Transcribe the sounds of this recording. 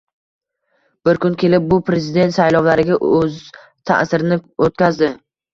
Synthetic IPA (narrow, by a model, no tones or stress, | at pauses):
b̥ɪɾkʰʲʊnkʲʰe̞lɪp̚bʊpʰɾe̞zɪd̪e̞nt̪sajlɒwlaɾɪɡʲaʔɵz | t̪ʰa̰ʔsɪɾɪnɪot̪̚kʲazd̪ɪ